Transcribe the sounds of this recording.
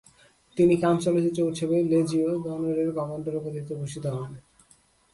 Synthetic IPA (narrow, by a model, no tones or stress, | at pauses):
t̪inikant͡ɕɔlot̪et͡ɕowt͡ɕʰebeled͡ʑiod͡ʑɔnoɾeɾɡɔɡonɖoɾupod̪ʱit̪oboʃit̪oɦɔne